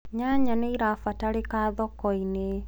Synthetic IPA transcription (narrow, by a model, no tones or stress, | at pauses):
ɲaɲaneiɾafataɾekaːðɔkɔine